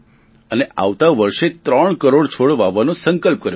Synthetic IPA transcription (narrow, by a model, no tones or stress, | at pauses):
əneʔa̰ʋt̪aʋəɾʃet̪ɾəɳkəɾoɽt͡ʃʰoɽʋaʋanõsəŋkəlp̚kəɾjo